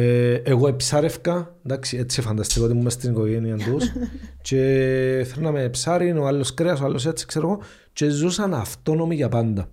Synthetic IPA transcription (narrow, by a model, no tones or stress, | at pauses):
eeɣoepsɐɾefkɐnd̪aksiet͡sːifɐnd̪ɐst̪ikot̪imumːest̪iniko̞ʝeniɐnd̪ust͡ʃe̞θeɾnɐmeːpsaɾinoalːoskɾeɐsoalːo̞s̬et͡sːi̥kseɾoɣo̞ | t͡ʃe̞zusɐnɐft̪o̞no̞miʝɐpɐnd̪ɐ